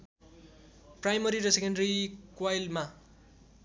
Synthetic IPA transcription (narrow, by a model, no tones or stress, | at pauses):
prajmʌɾiɾʌsekʌɳɖʌɾikwajlma